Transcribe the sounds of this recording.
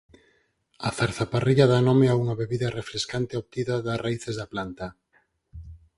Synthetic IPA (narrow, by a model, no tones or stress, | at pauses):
aθaɾθapariʎaðanomeauŋaβeβiðarefɾeskant̪eoβt̪iðaðaraiθezðaplant̪a